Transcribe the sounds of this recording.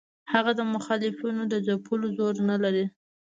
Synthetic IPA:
haɣad̪əmʊxɑlɪfinod̪əzapʰulozoɾnalaɾi

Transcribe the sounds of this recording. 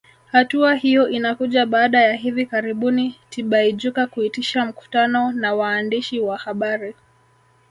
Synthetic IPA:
hatuahijɔʔinakuʄaɓaːɗajaɦivikaɾiɓunitiɓaiʄukakuitiʃam̩ku̥tanɔnawaːndiʃiwahaɓaɾi

